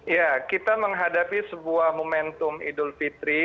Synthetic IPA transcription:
jakit̪aməŋɦadapisəbuahmomɛnt̪ʊmḭdʊlfit̪ɾi

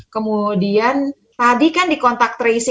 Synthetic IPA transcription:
kəmudian | t̪adikandikɔnt̪ak̚t̪ɾeis

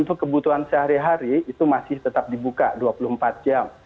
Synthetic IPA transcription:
nt̪ukəbut̪uansəɦaɾiɦaɾiːt̪umasɪht̪ət̪ap̚dibukaduapulʊhəmpat̪̚d͡ʒam

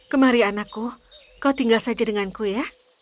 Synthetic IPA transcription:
kəmaɾianakːu | kawt̪iŋɡalsad͡ʒadəŋankuja

